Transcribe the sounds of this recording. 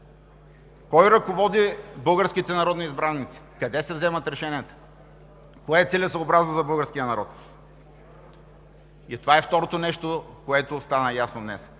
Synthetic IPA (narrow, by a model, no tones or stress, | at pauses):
kɔjɾɐkovɔd̪ibɤlˠɡəɾskit̪ɛnɐɾɔd̪niizbɾanːit̪si̥kɐd̪ɛsɛvzɛmɐt̪ɾɛʃɛnʲiət̪ə̥ | koɛt̪silʲɛsɐːbɾaznozɐbɤlˠɡəɾskʲijənɐɾɔt̪ | it̪ovaɛft̪ɔɾot̪onɛʃt̪okoɛt̪ost̪anɐjasnod̪nɛ̰s